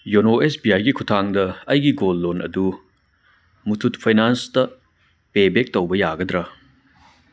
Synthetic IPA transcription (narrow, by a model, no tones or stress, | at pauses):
jonoesbiajɡikʰutʰaŋdɐɐjɡiɡolːonɐ̰du | mutʰutpʰajnanstɐ | pebek̚towbɐjaɡɐdɾɐ